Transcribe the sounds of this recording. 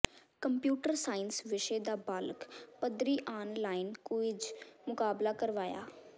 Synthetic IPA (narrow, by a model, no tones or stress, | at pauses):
kəmpjuːʈəɾsaːɪnsʋɪʃeːd̪aːbaːlkpəd̪ɾiːʔaːnlaːɪnkʊɪd͡ʒmʊkaːblaːkəɾʋaːja̰ː